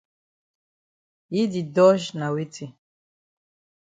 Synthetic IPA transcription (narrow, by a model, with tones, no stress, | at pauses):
ji˦di˨dɔ˦ʒna˨wi˦tʰi˨